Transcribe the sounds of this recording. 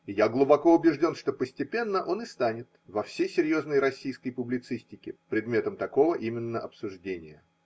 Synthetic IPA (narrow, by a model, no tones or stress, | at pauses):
ɪjaɡlˠʊbɐko̞ʊbʲɪʐdʲo̞nʂt̪o̞pəsʲtʲɪpʲe̞nːəʔo̞nɨst̪anʲɪt̪vɐfsʲejsʲɪɾʲjo̞znəjɾɐsʲːijskəjpʊblʲɪt̪sɨsʲtʲɪkʲɪpɾʲɪd̪mʲe̞t̪əmt̪ɐko̞vəʔimʲɪnːəʔɐpsʊʐdʲenʲɪjə